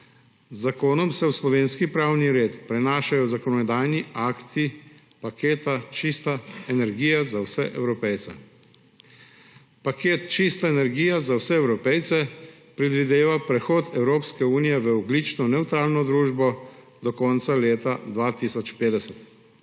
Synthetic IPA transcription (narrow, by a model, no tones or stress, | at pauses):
zːakoːnɔmsɛwslɔʋeːnskipɾawniɾeːt̪pɾɛnaːʃajɔzakɔnɔd̪aːjniaːkt̪i | pakeːt̪at͡ʃist̪aɛnɛɾɡiːjazawsɛ̰ʔɛwɾɔpɛjt̪sɛ̰ | pakeːt̪t͡ʃist̪aɛnɛɾɡiːjazawsɛɛwɾɔpɛjt̪sɛ | pɾɛd̪ʋid̪eːʋapɾɛxoːt̪ɛwɾoːpskɛuːnijɛʋəɔɡlit͡ʃnɔnɛwt̪ɾaːlnɔd̪ɾuːʒbɔ | d̪ɔkɔnt̪saleːt̪ad̪ʋat̪isɔt͡ʃpeːd̪ɛsɛt̪